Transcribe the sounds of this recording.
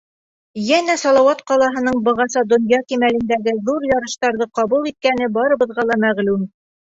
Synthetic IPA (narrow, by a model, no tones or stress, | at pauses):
jænæsɒlˠɑwɑt̪qɒlˠɑɦɤ̆nɤɴbɤ̆ʁɑsɑd̪ŏnjɑkimælɘ̆nd̪æɡɘðuɾjɑɾɤ̆ʃt̪ɑɾðɤqɑbulˠit̪̚kænɘbɑɾɤ̆βɤ̆ðʁɑlˠɑmæʁlʉm